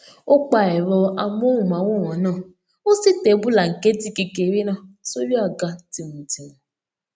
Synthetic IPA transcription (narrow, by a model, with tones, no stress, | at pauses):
o˦k͡pa˦ɛ˨ɾɔ˧a˧m˦o˦ũ˦˨mã˨˦wo˦˨wɔ̃˨˦nãː˦˨ | o˦si˦te˨˦bu˦la˨ŋ̩˨ke˦ti˦ke˧ke˨˦ɾi˦nã˦˨so˦ɾi˦a˦˨ɡa˨˦ti˨mũ˨ti˨nu˨